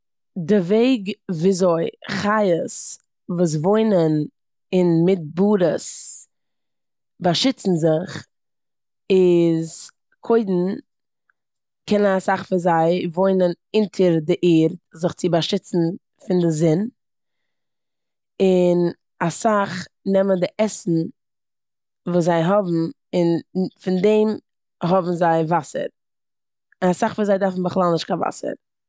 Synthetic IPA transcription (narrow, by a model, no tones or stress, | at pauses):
dɪveɪɡviːzoɪχajəs | vuːs̬voɪnən | ɪnmɪt̚buːɾəs | baʃɪt͡sn̩zɪχ | ɪz | kʰoɪdn̩ | kʰɛnənasaχfɪzaɪvoɪnən | ɪntʰəɾdɪʔiːɾtzɪχt͡sɪbaʃɪt͡sn̩ | fɪndɪzɪn | ɪn | asaχnɛməndɪʔɛsn̩ | vuːs̬zaɪɦɔbm̩ | ɪnfɪndɛɪm | ɦɔbm̩zaɪvasə̰ɾ | ɪnasaχviːzaɪdaɾfn̩bəχlˠalˠnɪʃtkava̰sə̰ɾ